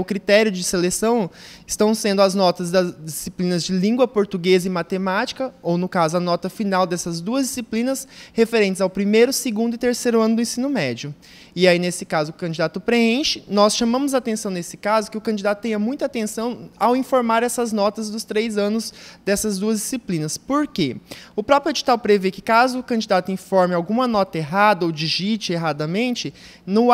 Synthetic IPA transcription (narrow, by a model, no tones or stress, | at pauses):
ʊkɾit̪ɛɾjʊd͡ʒɪselesɐ̃w̃ɪst̪ɐ̃w̃sẽnd̪ʊɐznɔt̪ɐzd̪ɐzd͡ʒisiplĩnɐzd͡ʒɪlĩŋɡwɐpoɾt̪uɡezɐɪ̃mat̪emat͡ʃi̥kɐownʊkazʊɐnɔt̪ɐfinawd̪ɛsɐzd̪uɐzd͡ʒisiplĩnɐshefeɾẽntt͡ʃɪzawpɾimejɾʊseɡũnd̪ʊɪt̪eɾsejɾʊɐ̃nʊd̪ʊẽsĩnʊmɛd͡ʒiʊ | ɪainesɪkazʊkɐ̃d͡ʒid̪at̪ʊpɾeẽʃɪ̥nɔsʃɐmɐ̃mʊzat̪ẽsɐ̃w̃nesɪ̥kazʊkɪʊkɐ̃d͡ʒid̪at̪ʊt̪ẽɲ̃ɐmũj̃t̪ʊat̪ẽsɐ̃w̃awĩfoɾmaɾɛsɐznɔt̪ɐzd̪ʊst̪ɾejzɐ̃nʊzd̪ɛsɐzd̪uɐzd͡ʒisiplĩnɐspoɾkeʊpɾɔpɾʊed͡ʒi̥t̪awpɾevekɪkazʊːkɐ̃d͡ʒid̪at̪ʊĩfɔɾmɪawɡũmɐnɔt̪ɐeɦad̪ɐowd͡ʒiʒit͡ʃɪeɦad̪ɐmẽnt͡ʃɪ | nʊ